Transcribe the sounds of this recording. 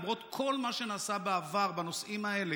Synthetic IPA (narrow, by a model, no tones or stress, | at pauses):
mʁo̞t̪kʰo̞lmaʃe̞naːsabeavaʁbano̞sʔimae̞le